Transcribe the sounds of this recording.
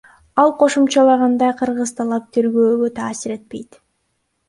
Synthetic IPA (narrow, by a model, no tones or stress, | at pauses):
ɑlˠqʰo̞ʃumt͡ʃɑlˠɑʁɑnd̪ɑjqʰɯɾʁɯzt̪ʰɑlˠɑp̚t̪ʰeɾɡøːɡøt̪ʰɑːsɪɾe̞t̪̚pe̞jt̪